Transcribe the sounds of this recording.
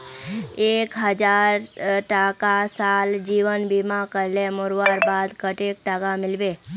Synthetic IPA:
eːkɦəd͡ʒaːɾʈakasaːld͡ʒiːʋənbimãkəɾlemʊɾʋaːɾbaːd̪kəʈeːk̚ʈaːkamɪlbe

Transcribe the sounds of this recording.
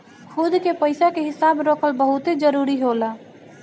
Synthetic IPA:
kʰud̪kepəɪsakeɦɪsabɾoːkʰəlbəɦut̪ed͡ʒəɾuɾiɦolə

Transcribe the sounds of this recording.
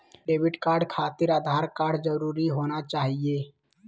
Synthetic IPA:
ɖeːbɪɖkaːɾɖkʰaːt̪ɪɾaːd̪ʱaːɾkaːɾɖd͡ʒəɾuːɾiɦoːnat͡ʃaːɦijeː

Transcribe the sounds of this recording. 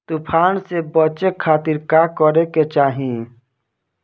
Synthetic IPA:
t̪upʰaːnsebət͡ʃekʰːaːt̪iɾkakɔɾeket͡ʃaːɦĩ

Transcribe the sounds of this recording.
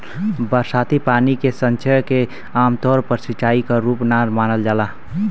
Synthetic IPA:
bəɾsat̪ipanikesənt͡ʃʰəke | aːmt̪ɔɾpəɾsit͡ʃaikaɾuːpnaɾmaːnəld͡ʒaːla

